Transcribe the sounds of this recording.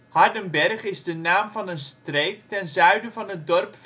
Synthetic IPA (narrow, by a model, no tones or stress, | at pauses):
hɑɹdənbɛrχɪzdənaːmvɑnənstrejktɛnzœɥdəvɑnət̚dɔrpf